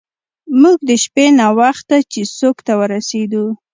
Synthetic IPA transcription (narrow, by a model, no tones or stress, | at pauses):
muɡ̚d̪əʃpenawaxt̪at͡ʃesokt̪awəɾased̪u